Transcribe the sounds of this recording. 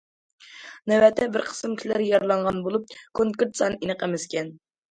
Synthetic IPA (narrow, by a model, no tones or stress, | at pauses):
nɛwɛt̪ʰɛbɪɾqʰə̥sɨmkʲʰilæɾjɑɾlˠɑɴʁɑnbolˠup̚kʰoŋkɾt̪sɑninəqəmɪskʲɛn